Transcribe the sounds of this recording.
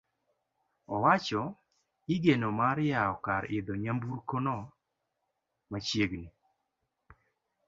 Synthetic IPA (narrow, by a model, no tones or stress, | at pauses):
ɔwat͡ʃɔ | iɡenomaɾjaɔkaɾɪd̪ɔɲambuɾkonɔ | mat͡ʃjeɡni